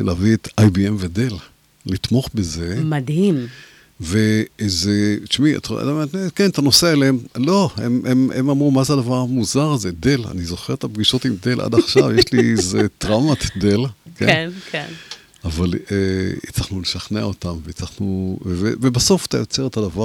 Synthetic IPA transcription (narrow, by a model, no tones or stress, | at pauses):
laːviet̪ajbiemvedelː | it̪mo̞χbeze̞mad̪him | vezet͡ʃmia̰t̪tamekent̪ano̞seaelemlo̞hḛmʔememamʁumazeadavaʁamuzaʁazede̞la̰nizo̞χeʁet̪abɡiʃo̞timd̪e̞lʔa̰daχʃavjeʃlizet̪ʁamat̪de̞lkḛnken | avalet͡saχnuleʃaχnea̰o̞tamvet͡saχnuvevevebaso̞fḁt̪ajo̞t͡seʁet̪adava